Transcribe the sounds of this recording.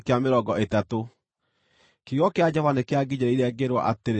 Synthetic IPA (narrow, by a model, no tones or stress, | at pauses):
keameɾɔɡɔetato | kejɔkead͡ʑɔvanekeaɡiɲeɾaiɾeɛɡeɾwa̰ʔateɾ